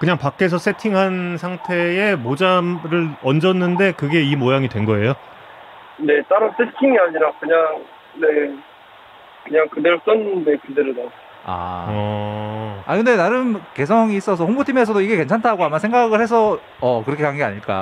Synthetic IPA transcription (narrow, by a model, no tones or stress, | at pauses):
kɯɲaŋpak͈e̞s̬ʰʌs͈ʰetʰiŋɦansʰaŋtʰe̞emod͡ʑamɾɯɭʌnd͡ʑʌnːɯnde̞kɯɡe̞imojaŋidwe̞nɡʌe̞jo | ne̞t͈aɾos͈ʰe̞tʰiŋiɦaɲiɾakɯɲaŋ | ne | kɯɲaŋkɯdeɾos͈ɯnɯnːekideɾɯna | a̰ʌ | a̰kɯnde̞naɾɯmke̞sʰʌŋiːs͈ʌs̬ʰʌɸoŋbotʰime̞sʰʌdoiɡe̞ke̞nt͡ɕʰantʰaɡoamasʰe̞ŋɡaɡɯɭhe̞s̬ʰʌ | ʌkɯɾʌkʰekwaŋɡea̰ɲiɭk͈a̰